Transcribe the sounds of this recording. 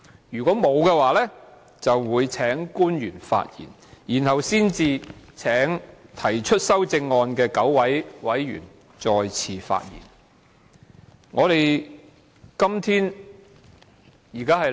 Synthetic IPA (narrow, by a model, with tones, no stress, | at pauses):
jyː˨˩kʷɔː˨˥mo˨˧wkɛ˧waː˨˧lɛː˥ | t͡sɐ˨wːuː˨˧jt͡sʰɛː˨˥ŋkuː˥njyː˨˩nfa̰ː˧t̚jḭː˨˩n | jiː˨˩nhɐ˨wsiː˥nt͡siː˧t͡sʰɛː˨˥ŋt̪ʰɐ˨˩jt͡ʃʰɵ˥t̚sɐ˥wt͡sɪ˧ŋːɔː˧nkɛː˧kɐ˨˥wwɐ˨˥jwɐ˨˥jɥy̰ː˨˩n | t͡sɔː˧jt͡sʰiː˨˧fa̰ː˧t̚jḭː˨˩n | ŋɔː˨˧ɾe˨j | kɐ˥mt̪ʰiː˥n | jiː˨˩kaː˥ɦɐ˨